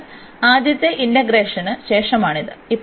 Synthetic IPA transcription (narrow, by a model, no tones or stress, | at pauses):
aːd̪jɐt̪ːjeʔinɖɐɡɾeːʂɐnɨɕe̞ːʂɐmaːɳid̪ɨipː